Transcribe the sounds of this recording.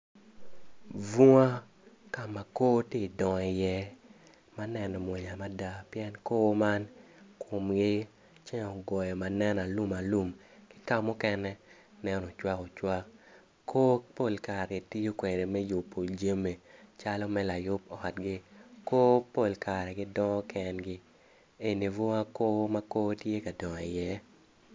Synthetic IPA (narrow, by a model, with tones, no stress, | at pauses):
vu˦ŋa˦ | ka˨ma˨ko˦te˦˨dɔ˨ŋɛ˨jɛ˦ | ma˦nɛ˨nɔ˨mwe˨ɲa˨ma˦da˦pjɛ˦nko˦ma˦nkʰʊ˨mɡɪ˦ | t͡ʃɛ˦ŋɔ˨ɡɔ˨jɔ˨ma˨nɛ˦na˨lu˦ma˨lu˨mkɪ̥˦ka˦˨mːɔ˦kɛ˦nɛ˦ | nɛ˦nɔ˨t͡ʃwa˦kɔ˨t͡ʃwa˦ | kʰo˦po˦˨lka˨ɾe˨ti˦jo˦kwe˨ɾe˨mɛ˦jo˨pːo˨ld͡ʒe˦me˨t͡ʃa˦lɔ˦mɛ˦la˨jʊ˦pɔ˨a˨tɡɪ˦koː˦po˨lka˨ɾɛ˨ɡɪ˦dɔ˦ŋɔ˦kʰɛ˨nɡɪ˦ | e˨ni˨vo˦a˦ko˦ma˦ko˦tje˦ka˨dɔ˨ŋ˨i˨jɛ˦